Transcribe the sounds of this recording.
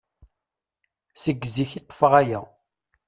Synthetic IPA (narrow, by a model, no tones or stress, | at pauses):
səɡːziçit̪ˤːə̥fəʁæjæ